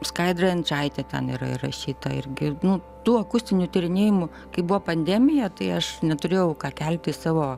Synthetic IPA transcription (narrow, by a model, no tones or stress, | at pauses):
skɐɪd̪rɐɪnt͡ʃɐɪt̪ʲɛt̪ʲɛ̰niɾɐ̰ɪ̰rɐ̰ʃʲiːt̪ɐɪɾʲɡʲɪnʊ | t̪uːɐkʊsʲt̪ʲɪnʲut̪ʲɪɾʲɪnʲeːjɪmʊ | kɐɪbʊʋoːpɐnʲd̪ʲæːmʲɪjɛt̪ɐɪɐʃnʲɛt̪ʊɾʲeːjɛʊkɑːkʲælʲt̪ʲɪsɑːʋoː